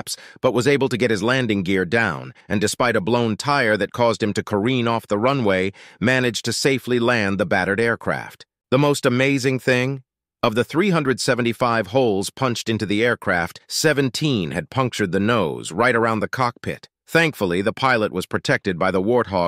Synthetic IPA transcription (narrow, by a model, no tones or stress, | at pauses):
psb̥ʌt̚wʌzeɪbl̩ˠtɨɡɛt̚hɨzlæ̃ndɪ̃ŋɡɪɹdãʊ̃nɨ̃ndɨspaɪɾəblõʊ̃ntʰaɪə˞ðɨt̚kʰɔzd̚ɨ̃mtɨkʰə˞ĩnɔfðəɹʌ̃nweɪmænɨd͡ʒ̥tʰɨseɪflilæ̃nðəbæɾə˞ɾɛɹkʰɹ̥æ̰ft̪̚ | ðəmoʊstəmeɪzɪ̃ŋθɪ̃ŋ | ʌvðəθɹiɦʌ̃ndɹɨd̥sɛvn̩tifaɪv̥hoʊlˠz̥pʰʌ̃nt͡ʃtɪ̃ntʉðiɛɹkʰɹ̥æftsɛvɨ̃n̩tʰĩnɨd̚pʰʌ̃ŋk̚t͡ʃə˞d̪̚ðɨnoʊzɹaɪɾə˞ãʊ̃nðɨkʰɑk̚pʰɪ̰t̪̚ | θæ̃ŋkfl̩ˠiðəpʰaɪlˠəʔ̚wʌz̥pʰɹ̥ɨtʰɛk̚tɨd̚baɪðəwɔɹt̚ɦɔ